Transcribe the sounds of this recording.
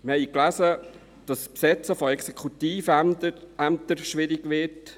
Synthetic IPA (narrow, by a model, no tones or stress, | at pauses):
mɪhɛɪklæsə | d̥ɑspsɛt͡səfɔɛksekʰut̪iːf | æmt̪əɾʃʋɪɾiɡʋɪt